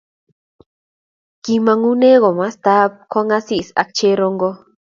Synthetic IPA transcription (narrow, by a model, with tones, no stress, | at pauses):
ki˧mã˧ŋu˦ne˦ɣo˨ma˦st̪a˦p̚kʰa˦ŋa˦si˦sa̰˨k̚t͡ʃe˦ɾo˧ŋɡo˦